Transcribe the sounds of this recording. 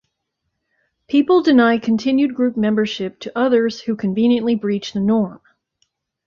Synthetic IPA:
pʰipl̩ˠdɨnaɪkʰɨ̃n̩tʰɪ̃njʉd̚ɡɹʉp̚mɛ̃mbə˞ʃɪp̚tʰɨʔʌðə˞z̥hʉkʰɨ̃ɱvĩnjɨ̃nʔlibɹit͡ʃðɨnɔɹm

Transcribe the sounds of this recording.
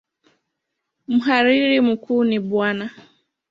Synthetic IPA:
m̩ɦaɾiɾim̩kuːniɓwana

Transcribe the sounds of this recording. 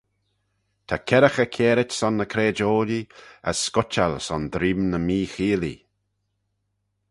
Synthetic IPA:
t̪ʰakʰɛɾəxəkʰeːɾɪtsɔnːəkʰɾeːd͡ʒoːliə̰sːkʊt͡ʃalsɔnd̪ɾiːmnəmiːxiːlḭ

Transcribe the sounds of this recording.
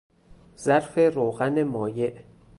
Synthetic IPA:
z̥æɾfeɾoːɣænemɒːjeʔ

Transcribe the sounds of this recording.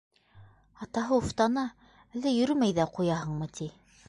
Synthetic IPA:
ɑt̪ɑɦɤuft̪ɑnɑ | ɘ̆lɘjɵ̆ɾɵmæjðæqujɑɦɤ̆ɴmɤt̪ʰi

